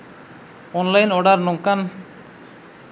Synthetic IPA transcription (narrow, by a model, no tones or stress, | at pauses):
ɔnlajnɔɽaɾnɔŋkan